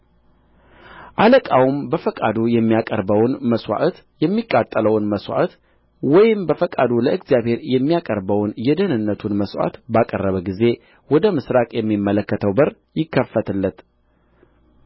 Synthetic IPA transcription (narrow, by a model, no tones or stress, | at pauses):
ʔaləkʼawmbəfəkʼad̪ujɛmːijakʼə̰ɾbəwnməswʷa̰ʔt̪ | jɛmːikʼːat̪ʼːələwnməswʷa̰ʔt̪ | wɔjɪmbəfəkʼad̪uləɨɡzjaβhe̞ɾjɛmːijakʼəɾbəwnjɛd̪ənɨnːət̪ʰunməswa̰t̪bakʼə̰rːəβəɡize̞ | wɔd̪əmɨsɾakʼjɛmːimːələkːət̪ʰəwbɨɾ | jɪkʰːəfːət̪ʰɨlːət̪